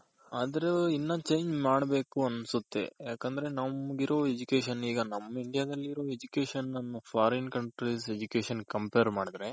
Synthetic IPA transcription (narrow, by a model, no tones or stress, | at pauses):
aːd̪ɐɾeinːɐt͡ʃejɲd͡ʒmaːɽbe̞ːkuɐnsut̪ːe̞̰jaːkɐnd̪ɐɾe̞nɐmɡiɾo̞ːed͡ʒukeːʃɐniːɡɐnɐmːɐiɳɖijaːd̪ɐlːiːɾo̞ːed͡ʒukeːʃɐnːɐnːupʰaːɾinkɐɳʈɾised͡ʒukeːʃɐnkɐmpeːɾmaːɽid̪ɐɾe̞